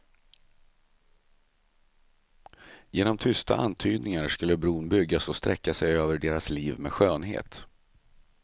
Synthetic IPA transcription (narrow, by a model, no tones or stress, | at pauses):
jeːnɔmt̪ʰʏst̪ʰa̰ʔa̰nt̪ʰyːd̪̚nɪŋaɾʂkɵlːəbɾuːnbʏɡːasɔst̪ɾɛkːasɛjøːvəɖeːɾasliːvmḛɧøːnɦḛːt̪